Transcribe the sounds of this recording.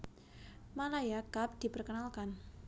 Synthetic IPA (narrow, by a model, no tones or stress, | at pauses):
malajakap̚d̪̥i̤pərkənalkan